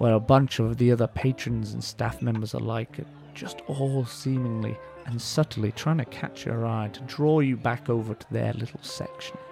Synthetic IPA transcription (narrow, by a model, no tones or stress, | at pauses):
wʔə˞əbʌ̃nt͡ʃʌvðiʌðə˞pʰeɪt͡ʃɹ̥ɨ̃nzɨ̃nstæ̰fmɛ̃mbə˞zə̰˞laɪkɨt̚ | d̥ʒ̥ʌstʰɔlˠsĩmɪ̃ŋlḭ | ʔɨ̃nsʌɾn̩ˠitʰɹ̥aɪɪ̃ŋtʰɨkʰæ̰t͡ʃjə̰˞aɪtʰədɹɔjɨbækoʊvə˞ɾʰəðə̰˞lɪɾl̩ˠsɛ̰kʃn̩